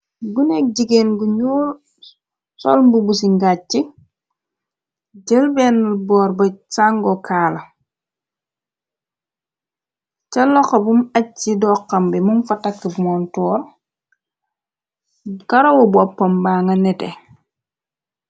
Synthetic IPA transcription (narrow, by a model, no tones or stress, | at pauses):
ɡunɛk̚ɟiɡeːnɡuɲuːl | sɔ̰lmbubusiŋɡai | ɟəlbɛːnlbɔːɾbɐsaŋɡɔkʰaːlɐ | cɐlɔxɐbumɐidɔːqːɐmbimumfɐtɐkːəbmɔntɔːr | kɐɾɐwɔbuɔpːɐmbaŋɐnɛtɛ̰